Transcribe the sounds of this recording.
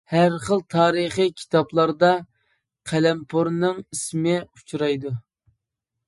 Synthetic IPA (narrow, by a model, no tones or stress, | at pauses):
hæɾχəlˠt̪ʰɑːɾəχikʲʰi̥t̪ʰɑblˠɑɾd̪ɑ | qʰælɛmpʰoɾnɨŋismɪu̥t͡ʃʰuɾɑjd̪u